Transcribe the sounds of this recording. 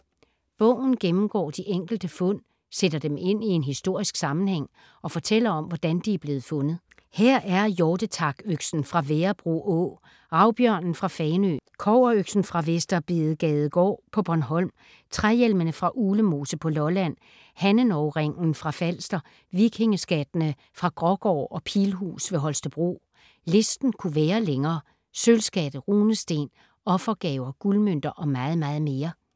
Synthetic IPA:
b̥ɔ̰̽ʊ̰n̩ɡ̥emm̩ɡ̥ɒ̰ːd̥iʔeŋ̰ɡ̥l̩d̥əfɔ̽n̰ | sed̥ɐd̥eme̝n̰ie̝nɦisd̥o̝ɐ̰isɡ̥sɑ̈mn̩heŋ̰ | ɒ̽fɒ̽t͡sʰel̰ɐɒ̽mʋɒd̥ænd̥iæɐb̥le̝ːð̩ˠfɔ̽nð̩ˠ | heɐ̰ʔæɐjɒːd̥ət͡sʰɑ̈ɡ̥øɡ̥sn̩fʁɑ̈ʋeːɐb̥ʁṵʔɔ̰ | ʁɑ̈ʊb̥jœɐ̰nn̩fʁɑ̈fɛːnø̰kʰɒʊɐøɡ̥sn̩fʁɑ̈ʋesd̥ɐb̥eːð̩ˠɡ̥ɛːð̞̩ˠɡ̥ɒ̰ːpʰɒ̽b̥ɒnɦɒ̽l̰m | t͡sʰʁajelmənəfʁɑ̈ʔuːləmo̝ːsəpʰɒ̽lɒ̽læn̰ | hænənɒʊʁeŋ̰n̩fʁɑ̈fæl̰sd̥ɐ | ʋiɡ̥he̝ŋəsɡ̥æd̥nə | fʁɑ̈ɡ̥ʁɒ̽ɡ̥ɒ̰ːɒ̽pʰiːlɦṵːsʋe̝ɦɒ̽lsd̥əb̥ʁo̝̰ː | le̝sd̥n̩kʰuʋæːɐleŋɐː | sølsɡ̥æd̥ð̩ˠʁuːnəsd̥e̝̰ːn | ɒ̽fɐɡ̥ɛːʊɐɡ̥ulmøn̰d̥ɐʔɒ̽mɑ̈ːð̞̩ˠmɑ̈ːð̞̩ˠme̝ːɐ

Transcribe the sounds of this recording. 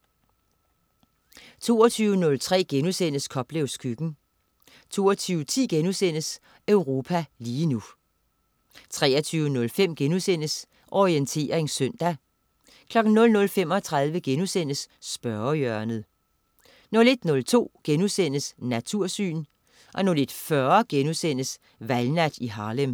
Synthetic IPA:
t͡sʰo̝̰ːɐt͡sʰyːʊənɔ̽lt͡sʰʁɛ̰ːɡ̥enusen̰əskʰɒ̽b̥leʊskʰyɡ̥n̩ | t͡sʰo̝ːɐt͡sʰyːʊt͡sʰḭːɡ̥enusen̰əs | øʊʁo̝ːpʰæliːnu | t͡sʰʁɛ̰ːɐt͡sʰyːʊənɔ̽lfem̰ɡ̥enusen̰əs | ʔɒʁient͡sʰe̝̰ːɐʁeŋsœn̰d̥æ | kʰlɒ̽ɡ̥n̩nɔ̽lnɔ̽lfem̰ɒ̽t͡sʰʁað̞ˠʋəɡ̥enusen̰əsːb̥ɶɐjœɐnð̩ˠ | nɔ̽le̝d̥nɔ̽lt͡sʰo̝̰ːɡ̥enusen̰əsnæt͡sʰuɐ̰sy̰ːn | ʔɒ̽nɔle̝d̥fɶɐɡ̥enusen̰əs | ʋælnæd̥iɦɑ̈ːlem

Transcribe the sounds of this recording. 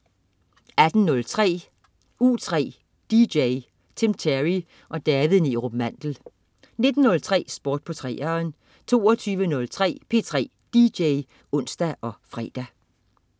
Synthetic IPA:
æd̥n̩nɔ̽lt͡sʰʁɛ̰ː | uːt͡sʰʁɛ̰ː | d̥id̥eɪ | t͡sʰemt͡sʰeʁi | ʔɒ̽d̥ɛːʋð̩ˠniʁob̥mæn̰d̥l̩ | ne̝d̥n̩ːɔ̽lt͡sʰʁɛ̰ːsb̥oːd̥̚pʰɒ̽t͡sʰʁɛ̰ːɐn | t͡sʰo̝̰ːɒt͡sʰyːʋənɔ̽lt͡sʰʁɛ̰ːpʰe̝̰ːt͡sʰʁɛ̰ː | d̥id̥eɪ | ɔ̽n̰sd̥æʔɒ̽fʁɛ̰ːd̥æ

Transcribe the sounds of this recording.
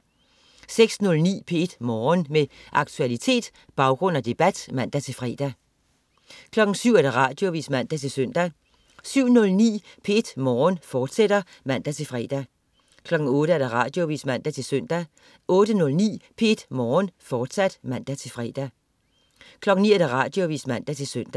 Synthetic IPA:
seɡ̥snɔ̽lnḭːpʰe̝e̝d̥mɒːnmeʔɑ̈ɡ̥t͡sʰuælit͡sʰe̝̰ːd̥ | b̥ɑ̈ʊɡ̥ʁɔ̽n̰æd̥e̝b̥æd̥mæn̰d̥æt͡sʰe̝fʁɛ̰ːd̥æ | kʰlɒ̽ɡ̥n̩syʊ̰æɐd̥ɑ̈ʁɑ̈ːd̥jo̝ʋḭːsmæn̰d̥æt͡sʰe̝lsœn̰d̥æ | syʊ̰nɔ̽lnḭːpʰee̝d̥mɒːnfɒːd̥sed̥ɐ | mæn̰d̥æt͡sʰe̝lfʁɛ̰ːd̥æ | kʰlɒ̽ɡ̥n̩ɔ̽ːɾ̥əæɐd̥ɑʁɑ̈ːd̥jo̝ʋḭːsmæn̰d̥æt͡sʰe̝lsœn̰d̥æ | ɔ̽ːd̥ənɔ̽lnḭːpʰe̝d̥mɒːnfɒːd̥sæd̥mæn̰d̥æt͡sʰe̝lfʁɛ̰ːd̥æ | kʰlɒ̽ɡ̥n̩nḭːæɐd̥æʁɑ̰̈ːd̥jo̝ʋḭːsmæn̰d̥æt͡sʰe̝lsøn̰d̥æ

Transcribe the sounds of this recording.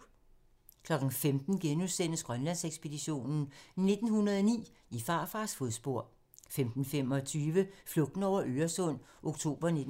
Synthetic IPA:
kʰlɒ̽ɡ̥n̩femd̥n̩ɡ̥enuðˠsen̰əsɡ̥ʁɶnlæn̰seɡ̥sb̥e̝diɕo̝̰ːnn̩ne̝d̥n̩hunɐðˠɒnḭː | ifɑ̈ːfɑ̈sfoðˠsb̥o̝ɐ̰ | femd̥n̩fem̰ɒ̽t͡sʰyːʋəflɔ̽ɡ̥̚d̥n̩ɒʊ̰ɐʔøːɐsɔ̽n̰ʔo̝ɡ̥̚t͡sʰo̝̰ːb̥ɐned

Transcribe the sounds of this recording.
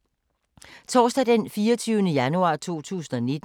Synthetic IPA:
t͡sʰɒːsd̥æd̥enfiːɐt͡sʰyːʊnəjænuɑ̰̈ːt͡sʰo̝̰ːt͡sʰṵːsn̩ɒne̝d̥

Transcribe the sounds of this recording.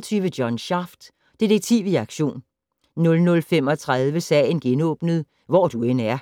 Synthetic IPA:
t͡sʰyːʋəd̥jɒ̽nɕɑ̈fd̥ | d̥id̥eɡ̥̚t͡sʰiʊiɑ̈ɡ̥ɕo̝̰ːnː | ɔ̽lnɔ̽lfem̰ɒ̽t͡sʰʁað̞ˠʋəsɛ̰ɪnɡ̥enɔ̰̽ːb̥nəð̞̩ˠ | ʋɒd̥ue̝næɐ

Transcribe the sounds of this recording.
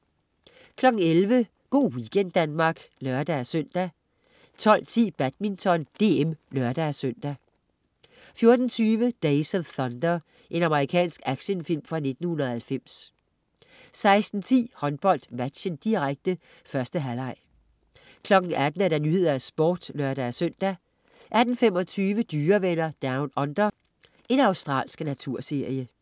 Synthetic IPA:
kʰlɒ̽ɡ̥n̩elʋə | ɡ̥o̝̰ːwiɡ̥en̰d̥ːænmɑ̈ːɡ̥nɶɐd̥ææsøn̰d̥æ | t͡sʰɒ̽l̰t͡sʰḭːb̥æd̥̚mint͡sʰɒ̽nd̥e̝̰ːemnɶɐd̥æsøn̰d̥æ | fjo̝ɐd̥n̩t͡sʰyːʋəd̥eɪsɒθɒnd̥ɐ | ʔe̝nɑməʁikʰɛ̰ːnsɡ̥æɡ̥ɕənfil̰mfʁɑ̈ne̝d̥n̩hunɐð̩ˠhælfem̰s | sɑ̈ɪsd̥n̩t͡sʰḭːhɒ̽nb̥ɒ̽l̰d̥mæd̥ɕənd̥iʁaɡ̥̚d̥ə | fɶɐsd̥əɦælɑ̈ɪ̰ | kʰlɒ̽ɡ̥n̩æd̥n̩æɐɾɑ̈nyhe̝ð̰ˠɐæsb̥ɔ̰ːd̥nɶɐd̥æːsøn̰d̥æ | ʔæd̥n̩femɒ̽t͡sʰyːʋəd̥yːɐʋenɐd̥ɑ̈ʊnɒ̽nd̥ɐ | e̝nɑ̈ʊsd̥ʁɑ̰ːlsɡ̥næt͡sʰuɐ̰se̝ɐ̰jə

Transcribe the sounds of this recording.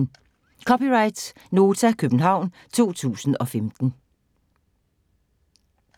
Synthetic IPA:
kʰɒ̽piʁɑ̈ɪd̥s | no̝ːt͡sʰækʰøb̥n̩ɦɑ̈ʊ̰n | t͡sʰo̝̰ːt͡sʰṵːsn̩ɒ̽femd̥n̩

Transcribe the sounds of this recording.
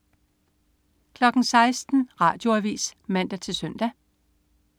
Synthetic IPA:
kʰlɒ̽ɡ̥n̩sɑ̈ɪsd̥n̩ʁɑ̰̈ːd̥jo̝æʋḭːsmæn̰d̥æt͡sʰe̝lsœn̰d̥æ

